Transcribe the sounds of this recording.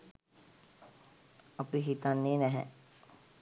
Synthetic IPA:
ɐpiɦit̪anːeːnɛɦɛ̰

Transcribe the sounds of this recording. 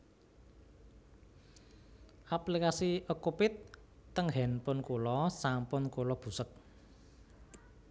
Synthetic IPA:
ʔaplikasiʔəkupɪt̪ːəŋɦɛnpʊnkulɔsampʊnkolɔb̥ṳsək̚

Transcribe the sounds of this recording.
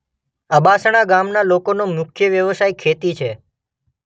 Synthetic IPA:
əbasəɽ̃aɡamnalokonomʊkʰjəʋjəʋəsajkʰet̪it͡ʃʰe

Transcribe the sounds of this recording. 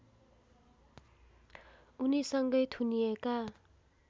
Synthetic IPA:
unisʌŋɡʌjt̪ʰunieka

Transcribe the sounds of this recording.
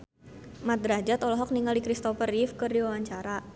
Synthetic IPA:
mat̪̚dɾad͡ʒat̪ɔlɔɦɔk̚niŋaldikɾist̪ɔfərifkɨrdiwawaɲt͡ʃaɾa

